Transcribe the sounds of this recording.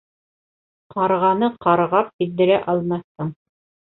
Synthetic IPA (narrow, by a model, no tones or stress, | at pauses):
qɑɾʁɑnɤqɑɾʁɑp̚kild̪ɘ̆ɾæʔɑlˠmɑθt̪ɤɴ